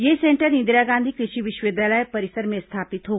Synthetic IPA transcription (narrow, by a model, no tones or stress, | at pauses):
jesẽːɳʈəɾnɪ̃nd̪ɪɾaɡãːnd̪ʱikɾɪʃiʋɪʃwed̪jaːləjpɐɾɪsəɾmẽst̪ʰaːpɪt̪ɦoː